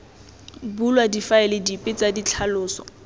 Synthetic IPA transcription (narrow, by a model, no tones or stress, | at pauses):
bulwadifaɛlɪdipʼɪt͡sadit͡ɬʰalʊːsɔ̰